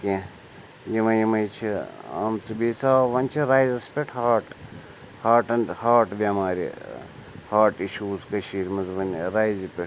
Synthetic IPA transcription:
kʲẽ | jimɐjimɐjt͡ʃʰiɐ̰mt͡sɨbiːsaːʋɐnʲt͡ʃʰiɾaːjzɐspʲeʈʰhaːʈ | haːʈɐnhaːʈbʲamaːɾʲḭ | haːʈiʃuːzkɐʃiːɾmɐzʋɐnɾaːjzipʲeʈ

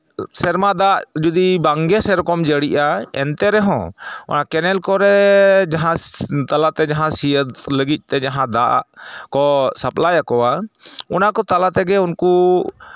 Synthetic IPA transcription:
sɛɾmad̪aʔd͡ʒud̪ibaŋɡɛsɛɾɔkɔmd͡ʒəɽiʔaɛ̰nt̪ɛɾɛɦɔ̰̃ɔ̰nakɛnɛlkɔɾɛd͡ʒaɦãt̪alat̪ɛd͡ʒaɦãsijəd̪ləɡit̪̚ˀt̪ɛd͡ʒaɦãd̪aʔa̰ʔkɔsəplajakɔwaɔnakɔt̪alat̪ɛɡɛunku

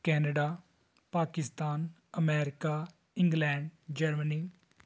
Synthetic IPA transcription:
kɛːnəɖaː | paːkɪst̪aːn | əmɛːɾɪkaː | ɪ̃ŋɡlɛ̃ːɳɖd͡ʒəɾməniː

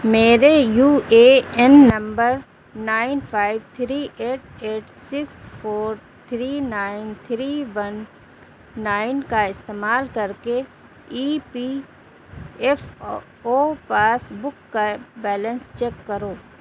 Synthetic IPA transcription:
meːɾejuːeːɛnːɐ̃mbəɾ | naːɪnpʰaːɪʋt̪ʰɾiːʔeːʈ̚eːʈsɪkspʰoːɾ | t̪ʰɾiːnaːɪnt̪ʰɾiːʋənː | aːɪnkaɪst̪eːmaːlkɐɾke | iːpi | ɛf | oːpaːsbʊkːabɛːlə̃nst͡ʃɛːkːɐɾoː

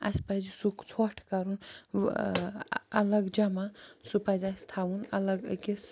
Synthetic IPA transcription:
ɐ̰spɐd͡ʒsukt͡sʰoʈʰkɐɾun | ɐləɡd͡ʒɐmasupad͡ʒast̪ʰaunɐ̰ləɡkes

